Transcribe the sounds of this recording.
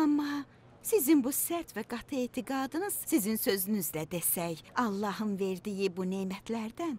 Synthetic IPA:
ɑmːɑ | sizinbusæɾt̪ʰvæɡɑt̪ʰɯet̪ʰiɡɑːd̪ɯnɯz̥sizinsø̞zynyzlæd̪esæjɑlˠːɑɦɯnve̞ɾd̪ijibunejmæt̪ʰlæɾd̪æn

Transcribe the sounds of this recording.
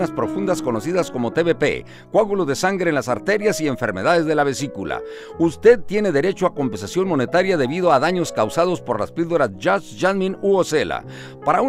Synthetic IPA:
naspɾo̞fund̪asko̞no̞siðasko̞mo̞t̪e̞βepḛ | kwaɣuloðe̞saŋɡɾe̞ːnlasaɾt̪e̞ɾjasie̞ɱfe̞ɾme̞ðaðe̞zðe̞laβe̞sikula̰ | ust̪e̞ðt̪je̞ne̞ðe̞ɾe̞t͡ʃoako̞mpens̬asjo̞nmo̞ne̞t̪aɾjaðe̞βið̞oaðaɲo̞skawsað̞o̞spo̞ɾla̰spild̪o̞ɾasʝasʝazmĩnuose̞la̰ | paɾau

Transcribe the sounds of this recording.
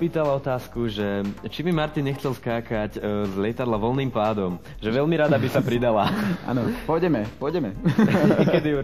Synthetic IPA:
piːt̪alaɔt̪aːskuʒɛt͡ʃimimaɾt̪inɲɛxt͡sɛlskaːkaczʎɛt̪ad̪laʋɔlniːmpaːd̪ɔm | ʒɛʋɛʎmiɾad̪abisapɾid̪alaʔa̰nɔpɔjɟɛmɛpɔjɟɛmɛɲɛkɛd̪iu

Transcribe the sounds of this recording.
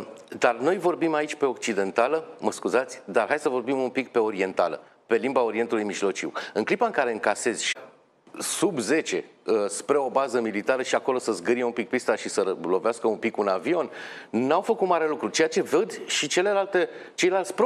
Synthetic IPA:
d̪arno̞jvo̞rbimait͡ʃʲpe̞o̞kt͡ʃid̪e̞nt̪aləməskuzat̪sʲd̪arɦajsəvo̞rbimumpikpe̞o̞ɾie̞nt̪a̰lə̰ | pe̞limbao̞ɾie̞nt̪ulujmiʒlo̞t͡ʃḭwɨnŋklipaɨŋkaɾe̞ɨŋkase̞z̥ʲʃi | subze̞t͡ʃe̞əspɾe̞o̞bazəmilit̪aɾəʃiako̞lo̞səzɡəɾijeumpik̚pist̪aʃisəlo̞veaskəumpikunavio̞nːawfəkut̪maɾe̞lukɾut͡ʃe̞jat͡ʃe̞vəd̪ʲʃit͡ʃe̞le̞lalt̪e̞t͡ʃe̞jlalt̪sʲpɾo

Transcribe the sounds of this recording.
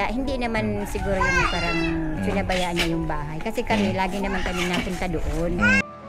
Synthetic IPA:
hɪnd̪inɐmansɪɡuːɾojʊnapaːɾɐŋsʊnɐbɐjaʔanːajʊŋbaːɦajkɐsɛkɐmɛlaːɡɪnɐmankɐmɪnɐpʊnt̪ad̪oʔon

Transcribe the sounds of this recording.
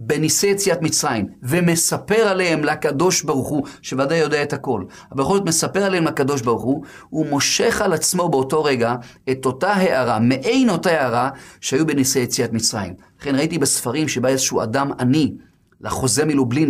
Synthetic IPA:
benisejet͡sijatmit͡sʁajimve̞me̞sape̞ʁalehemlakado̞ʃbaʁuχuʃe̞vadajo̞deaethako̞l | abejxolzotme̞sape̞ʁale̞hemlakado̞ʃ̬baʁuχu | humo̞ʃe̞χalat͡smo̞be̞oto̞ʁe̞ɡa | e̞to̞taɦe̞ʔaʁameʔejno̞taheaʁaʃehajubenisejet͡siatmit͡sʁa̰jḭm | laχe̞nʁaitibesfaʁimʃebaezeʃua̰damani | laχo̞zemilublin

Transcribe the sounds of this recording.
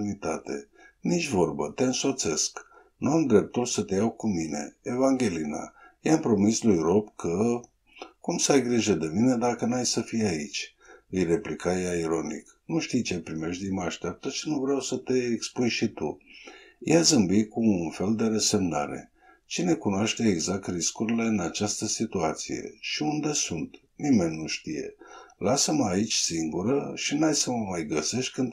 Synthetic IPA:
nit̪at̪e̞̰ | nit͡ʃʲvo̞rbət̪e̞ɨnso̞t̪se̞sk | nuamd̪ɾe̞p̚t̪ulsət̪e̞jawkumine̞̰evaŋɡʲe̞lina̰jampɾo̞mislujɾo̞bkʰə | kumsajɡɾiʒəd̪emine̞d̪akənuajsəfijait͡ʃʲ | ɨjre̞plikʰajaiɾo̞nḭk | nuʃt̪ijt͡ʃepɾime̞ʃt̪̬d̪iməaʃt̪eap̚t̪ət͡ʃinuvɾeawsət̪e̞ːkspujʃit̪ṵ | jazɨmbikuːnfe̞ld̪e̞ɾəse̞mna̰ɾe̞̰ | t͡ʃine̞kunoaʃt̪e̞ːɡzak̚t̪riskuɾile̞ɨnat͡ʃast̪əsit̪uat̪sije̞̰ʃiund̪e̞sunt̪ | nime̞nʲːuʃt̪ije̞̰lasəməait͡ʃʲsiŋɡuɾəʃinajsəməmajɡəse̞ʃt̪ʲkɨnd̪

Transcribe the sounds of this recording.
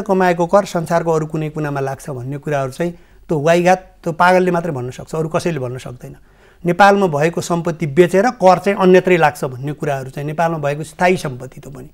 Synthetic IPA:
kʌmaekokʌrsʌnsarkoʌɾukunʌjkunamalaɡt͡sʰʌbʱʌnːekuɾaɦʌɾut͡saĩ | t̪owajɡat̪ː | opaɡʌlːemat̪rʌjbʱʌnːʌsʌk̚t͡sʰʌːɾukʌsʌjlebʱʌnːʌsʌ̰k̚d̪ʌjnʌ | nepalmabʱʌekosʌmpʌt̪ːibet͡seɾʌkʌrt͡saĩʔʌnjʌt̪rʌjlaɡt͡sʰʌbʱʌnːekuɾaɦʌɾut͡saĩnepalmabʱʌekost̪ʰaisʌmpʌt̪ːit̪opʌni

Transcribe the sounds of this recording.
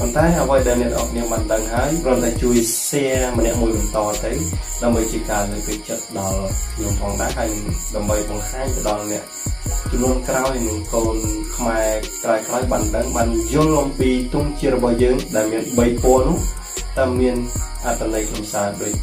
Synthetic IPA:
pont̪aɛʔəʋəjɗaɛlnɛ̆ət̪ʔɑːk̚niəɓaːnɗəŋhaəjprŏənt̪ʰaɛt͡ɕuəj | sɛəmənɛ̆əʔmuəjɓɑnt̪ɑːt̪ɨwɗaəmɓəjt͡ɕiəkaːlɨːk̚kɨc̚t͡ɕət̪̚ɗɑlnuəŋpʰɑːŋɗaɛɦaəjɗaəmɓəjɓɑŋhaːɲt̪əɗɑlnɛ̆əʔ | t͡ɕmnuənkraɔjnɨŋkoːnkʰmaɛkraɔɛkraɔjɓaːnɗəŋɓaːnjʊ̆lʔɑmpiːt̪uŋt͡ɕiət̪̚rɔɓɑhjəːŋɗaɛlmiənɓəjpoənʊ̆əh | t̪aəmiənʔat̪ʰːanɨjkʰnumsaːɗoːc̚

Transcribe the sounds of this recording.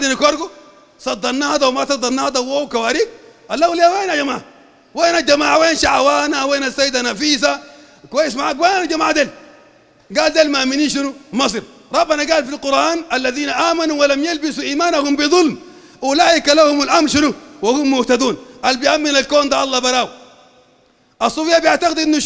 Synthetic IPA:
d̪inakoɾɡu | sɑd̪ːɑɾnːaːhad̪awmasɑd̪ˤɑɾnːaːhad̪awowkawaːɾiːɡ̚ʔalːawliaweːnad͡ʒamaːʕa | weːnad͡ʒamaːʕaweːnʃaʕawaːnaweːnasːajːid̪anafiːsa | kwajismaʕakwenanad͡ʒamaːʕd̪eːl | ɡaːld̪eːlmaminiːʃ̬inumɑsˤɨɾ | ɾˤɑbːanaɡaːlfilqʊɾˤʔaːnalːaðiːnaʔaːmanuwalamjalbisuʔiːmaːnahumbiðˤʊlm | ʔulaːʔikalahumalʔamɾʃɪnuwahumːʊht̪ad̪uːnʔalbijamːinalkoːnd̪aʔɑlˤːɑbɑɾˤaːw | ʔɑsˤːuːfijːabijaʕt̪aqid̪ʔinːu

